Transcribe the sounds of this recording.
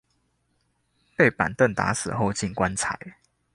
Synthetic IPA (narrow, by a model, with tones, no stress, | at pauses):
pe˥˨ɪpa̰˨˩nt̪ə˥˨nt̪a̰˧˦sɹ̩˨˩ɦo˥˧ʊt͡ɕi˥˨nkwa˦nt͡sʰa˨˩˦ɪ